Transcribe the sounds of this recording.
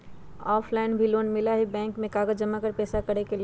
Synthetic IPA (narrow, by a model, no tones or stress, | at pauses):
ɔːpʰlaɪnbʱiloːnmɪlaɦibɛ̃ːŋkmẽkaːɡəd͡ʒd͡ʒəmakəɾpɛːsakəɾekel